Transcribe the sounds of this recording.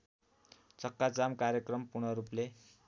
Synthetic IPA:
t͡sʌkːat͡samkaɾjʌkrʌmpurɽ̃nʌɾuple

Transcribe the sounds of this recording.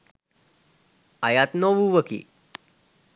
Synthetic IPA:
ajat̪noʋuʋəkḭː

